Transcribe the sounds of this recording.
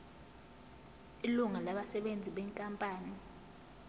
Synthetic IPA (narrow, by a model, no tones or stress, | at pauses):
iluŋalaɓasɛɓend͡zʱiɓɛŋkʼampʼaːni